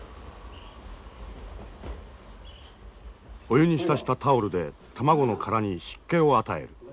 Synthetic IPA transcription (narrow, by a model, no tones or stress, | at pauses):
o̞jɯ̟ɲ̟iɕi̥t̪aɕi̥t̪at̪aoɾɯ̟d̪e̞t̪ʰamaɡo̞no̞kʰaɾaɲ̟iɕi̥kːẽ̞o̞at̪ae̞̰ɾɯ̟